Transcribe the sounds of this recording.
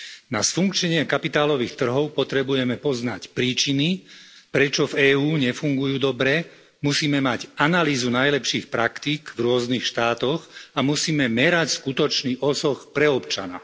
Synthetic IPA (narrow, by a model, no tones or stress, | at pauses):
nasfuŋkt͡ʃɲɛɲɪɛkapit̪aːlɔʋiːxt̪r̩ɦɔʊpɔt̪ɾɛbujɛmɛpɔznacpɾiːt͡ʃinipɾɛt͡ʃɔvɛːuːɲɛfuŋɡujuːd̪ɔbɾɛ | musiːmɛmaɟanaliːzunajlɛpʃiːxpɾakt̪iːɡvɾʊɔznixʃt̪aːt̪ɔɣamusiːmɛmɛɾacskut̪ɔt͡ʃniːʔɔsɔxpɾɛɔpt͡ʃa̰na̰